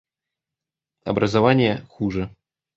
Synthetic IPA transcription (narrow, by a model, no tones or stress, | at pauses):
ɐ̰bɾɐzavanʲjɛxuʐɛ